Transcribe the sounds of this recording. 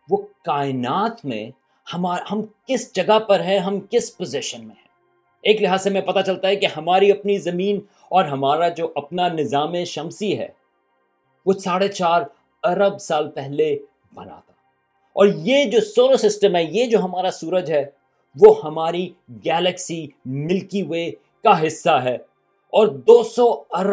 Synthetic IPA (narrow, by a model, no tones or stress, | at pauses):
ʋokaːɪnaːt̪mḛ̃ | hɐmaːhɐmkɪsd͡ʒɐɡapɐɾɦɛ̃ɦɐmkɪspozɪʃənmẽɦɛ̃ː | eːklɪɦaːzsemɛ̃pɐt̪at͡ʃɐlt̪aɦɛkihɐmaːɾiɐpnizɐmiːn | ɔːɾɦɐmaːɾad͡ʒoːʔɐpnanɪzaːmẽʃɐmsiɦɛ̰ː | ʋoːsaːɽet͡ʃaːɾ | ɐɾəbsaːlpɛɦle | bɐ̰na̰ːt̪ḁɦɛ | ɔːɾjed͡ʒoːsoːlosɪsʈəmɦɛjed͡ʒoːɦɐmaːɾasuːɾəd͡ʒɦɛː | ʋoːhɐmaːɾiɡɛːləksimɪlkie | kaɦɪsːaɦɛː | ɔːɾd̪oːsɔɐɾ